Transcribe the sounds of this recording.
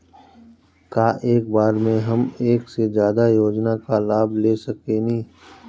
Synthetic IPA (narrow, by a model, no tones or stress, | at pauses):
kaːʔeːk̚baːɾmẽɦɐmeːksezjaːd̪ajoːd͡ʒnakalaːbleːsəkenĩː